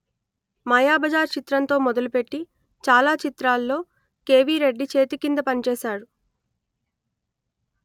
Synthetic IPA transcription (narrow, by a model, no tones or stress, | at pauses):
mɐjaːbɐd͡ʒaːɾt͡ʃit̪ɾɐnt̪o̞ːmɔd̪ɐlupe̞ʈːi | t͡ʃaːlaːt͡ʃit̪ɾaːlːo̞ː | ke̞ːʋiːɾe̞ɖːit͡ʃe̞ːt̪ikind̪ɐpɐnit͡ʃɛːʃaːɽu